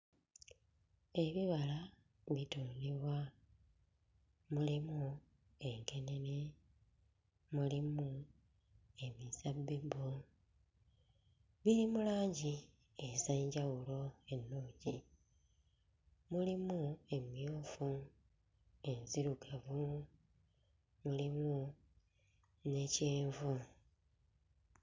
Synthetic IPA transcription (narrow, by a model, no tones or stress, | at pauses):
e̞βiβala | βitoːniβwa | mulimu | e̞ŋke̞ne̞ne | mulimu | e̞mizabːibu | βilimulaːɲɟi | e̞zaɲɟawulo̞e̞nːoːɲɟi | mulimue̞mjoːfu | e̞nziɾuɡavu | mulimu | ne̞ceːɱvu